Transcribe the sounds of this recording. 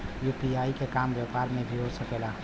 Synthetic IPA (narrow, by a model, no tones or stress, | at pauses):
jupiaːikekaːmʋjapaːɾmẽbʱiɦoːsɐkeːlaː